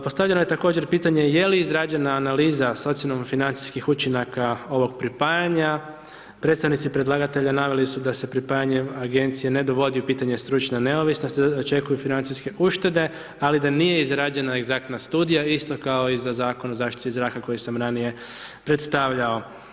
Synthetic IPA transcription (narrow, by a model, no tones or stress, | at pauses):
po̞st̪aʋʎe̞noje̞t̪ako̞ːd͡ʑe̞ɾpiːt̪aɲe̞je̞liizɾaːd͡ʒe̞naːnaliːzaso̞t̪silomfinant̪si̥skixut͡ʃinakao̞ʋo̞ɡpɾipajaɲa | pɾe̞t̪st̪aʋnit̪sipɾed̪lˠaɡat̪e̞ʎanaʋe̞lisud̪ase̞pɾipajaɲeaɡe̞nt̪sije̞ne̞d̪oʋo̞d̪iupiːt̪aɲe̞st̪ɾut͡ʃnane̞o̞ʋisnost̪d̪aot͡ʃe̞kujufinant̪siske̞uʃt̪e̞d̪e̞ | alid̪anije̞izɾad͡ʒe̞nae̞ɡzakt̪nast̪uːd̪ijaist̪o̞kao̞izazaːko̞nozaːʃt̪i̥t̪izɾaːkako̞jisamɾanije̞ | pɾet̪st̪aʋʎao̞